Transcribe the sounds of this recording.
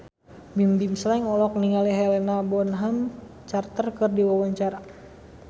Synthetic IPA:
bimbimslɛŋɔlɔk̚niŋaliɦɛlɛnabɔnɦam | t͡ʃart̪ərkɨrdiwawaɲt͡ʃaɾa

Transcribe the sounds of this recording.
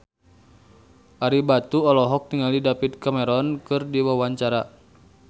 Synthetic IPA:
ʔaɾibat̪uɔlɔɦɔk̚t̪iŋalidapit̪̚kamɛɾɔnkɨrdiwawaɲt͡ʃaɾa

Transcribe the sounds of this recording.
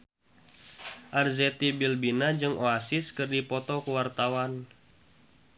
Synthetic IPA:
ʔarzɛt̪ibilbinad͡ʒɨŋʔoasiskɨrdipɔt̪ɔkuwart̪awan

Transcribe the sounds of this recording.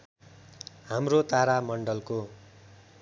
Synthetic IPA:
hamrot̪aɾamʌɳɖʌlko

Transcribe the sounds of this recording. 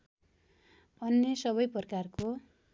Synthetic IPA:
ʌnːjʌsʌbʌjpʌrkarko

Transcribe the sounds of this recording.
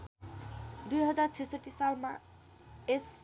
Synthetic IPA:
d̪ujɦʌd͡zart͡sʰisʌʈːisalmã̰ | es

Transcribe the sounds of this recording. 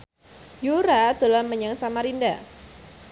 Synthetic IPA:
juɾad̪̥olaməɲaŋsamaɾinda

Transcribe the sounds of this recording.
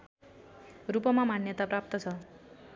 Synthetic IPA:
rupʌmamanjʌt̪aprap̚t̪ʌt͡sʰʌ

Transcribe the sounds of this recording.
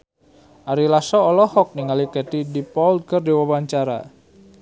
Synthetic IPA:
ʔaɾilasɔːlɔhɔk̚niŋalikɛt̪idipɔlt̪̚kərdiwawaɲt͡ʃaɾa̰

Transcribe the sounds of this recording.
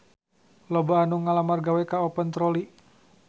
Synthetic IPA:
lɔbaːnuŋalamarɡawɛkaɔpənt̪ɾɔli

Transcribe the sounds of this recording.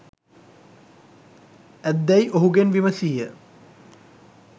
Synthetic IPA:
æd̪ːæjʔoɦuɡenʋiməsiːjə

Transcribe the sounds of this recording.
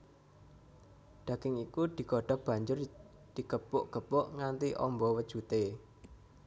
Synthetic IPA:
ɖ̪̥ä̤ɡ̥ɪŋikud̪̥i̤koɖ̥a̤hb̥a̤ɲd͡ʒʊr | d̪̥i̤ɡ̥əpʊʔɡ̥ə̤pʊʔŋant̪iʔɔ̰mbɔwəd̥ʒ̥ut̪e

